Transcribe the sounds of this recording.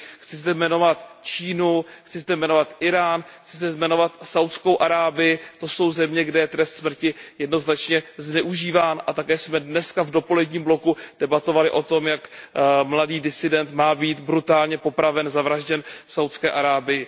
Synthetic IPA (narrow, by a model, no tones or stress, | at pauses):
xt͡sɪzd̪ɛmɛno̞vat̪t͡ʃiːnuxt͡sɪzd̪ɛmɛno̞vat̪ʔɪɾaːnxt͡sɪzd̪ɛzmɛno̞vat̪sawt̪sko̞wʔaɾaːbɪjɪt̪o̞so̞wzɛmɲɛɡdɛjɛt̪ɾɛst̪smr̩cɪjɛdno̞znat͡ʃɲɛznɛʔuʒiːvaːnʔat̪akɛːsmɛdnɛskavdo̞po̞lɛdɲiːmblo̞kud̥ɛbat̪o̞valɪʔo̞t̪o̞mjakmladiːdɪsɪdɛnt̪maːbiːt̪bɾut̪aːlɲɛpo̞pɾavɛnzavɾaʒɟɛnfsawt̪skɛːʔaɾaːbɪjɪ